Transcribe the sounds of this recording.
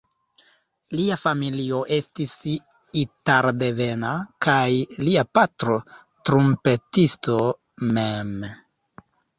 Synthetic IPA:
liafamilio̞ʔe̞stis | itaɾde̞ve̞nakajliapatɾo̞ | tɾompe̞tisto̞ | mem

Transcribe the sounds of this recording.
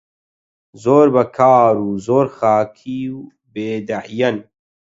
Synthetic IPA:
zoːɾbɐkʰaːɾuːzoːɾxaːkʰiːw | beːd̪ɐʕjɐn

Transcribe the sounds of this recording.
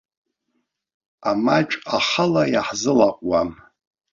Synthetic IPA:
amat͡ʃʼaχalajaħzɨlaqʷʼwam

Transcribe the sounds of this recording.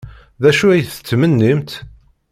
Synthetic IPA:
ðæʃuæjθə̥t͡sːmənːimt̪

